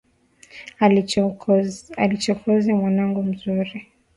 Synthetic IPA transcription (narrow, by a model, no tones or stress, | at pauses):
alit͡ʃɔkɔzimwanaŋɡum̩zuɾi